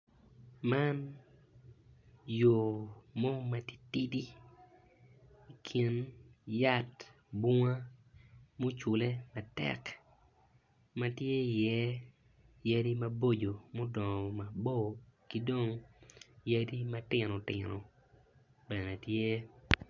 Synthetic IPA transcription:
ma˦n | jo˨mo˦ma˨ti̥˦ti˦di˦ | i˨kʰi˨nja˦t | bu˦ŋa˦ | mo˦t͡ʃʊ˨le˦ma˨tɛ̰˦˨k | ma˦tje˦˨jɛ˦ | ja˦di˦ma˦bo˦d͡ʒo˨mo˦dɔ˨ŋ˨ma˨bo˦ki˦do˦ŋ | ja˦di˦ma˦tɪ˨no˨tɪ̰˨no̰˨ | bɛ˨ne˨tje˦

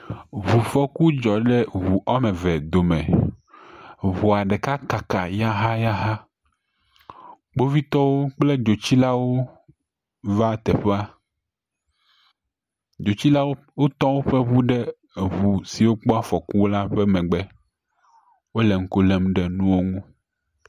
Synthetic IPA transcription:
βu˨fɔ˦ku˦d͡ʒɔ˨ɖɛ˦βu˨ʔɔ˦mɛ̃˨vɛ˨d̪o˨mɛ̃˨ | βu˨a˨ɖɛ˨ka˦ka˨ka˨ja˦ɦa˦ja˦ɦa˦ | k͡po˦vi˦t̪ɔ˦wo˦k͡plɛ˦d͡ʒo˨t͡ɕi˦la˦wo˦ | va˦t̪ɛ˨ɸe˦a˦ | d͡ʒo˨t͡ɕi˦la˦wo˦ | wo˦t̪ɔ̃˦wo˦ɸe˦βu˦ɖɛ˦˨ | βu˨si˨wo˦k͡pɔ˦a˦fɔ˨ku˦wla˦ɸɛ˦mɛ̃˨ɡ͡bɛ˦ | wo˦lɛ˨ŋ̩˦ko˦lɛ˨mɖɛ˨nũ˦wo˦ŋũ˦

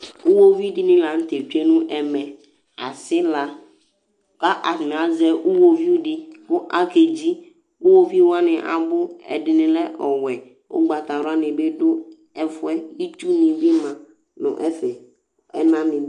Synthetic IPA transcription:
ʊ˦wo˦vi˦dɪ˦nɪ̃˦la˨n̩˦t̪e˨tu˦e˦nʊ̃˦ʔɛ˨mɛ˨ | a̰˨sɪ˦la˨ | ka˦ʔa˨n˨a˨˦zɛ˨ʔʊ˦wo˦vi˦u˦dɪ˦bʊ˦ʔa˨ke˨d͡ʒi˦ | ʊ˦wo˦vi˦wa˦nɪ̃˨ʔa̰˨bʊ˦ɛ̰˨dɪ˨nɪ̃˨lɛ˦ʔɔ˨wɛ˨ | ʊ̰˦ɡ͡ba˨t̪a˨ɾa˦nɪ˨be˦dʊ˦ | ɛ˨fʊ˦ɛ˦i˦tu˦nɪ̃˨vɪ˦mã˨ | nʊ̰˨ʔɛ˦fɛ˨ | ɛ̰˦nã˦nɪ̃˨

